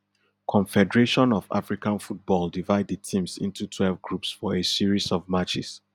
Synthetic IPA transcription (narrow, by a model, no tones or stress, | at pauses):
kʰɔ̃nfɛdəɹeʃɔ̃nɔva̰fɹikãnfut̚bɔldivaɪdətʰĩmsḭ̃ntutʰwɛlˠvɡɹupsfɔesiɹizɔvmat͡ʃɪ̰s